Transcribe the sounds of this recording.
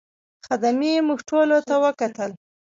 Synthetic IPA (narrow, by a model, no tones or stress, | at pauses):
xad̪amijemuɣʈolot̪awəkat̪əl